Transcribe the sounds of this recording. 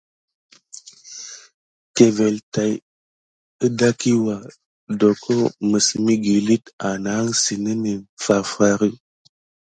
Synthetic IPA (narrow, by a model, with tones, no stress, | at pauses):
ke˨ve˨lta˨j | ɨ˦da˦ki˦wa˨ | do˨kʰo˦mə˨si˨mi˦ɡi˨li˦ta˨na˨˦ŋsi˨ni˦ni˨nfa˨fa˦ɾi˦